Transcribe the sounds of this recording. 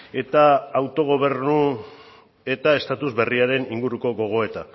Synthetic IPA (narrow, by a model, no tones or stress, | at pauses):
e̞t̪aːwt̪o̞ɣ̞o̞β̞e̞ɾnu | e̞t̪ae̞st̪at̪uzβe̞riaɾe̞niŋɡuɾuko̞ɣo̞ɣ̞o̞e̞t̪a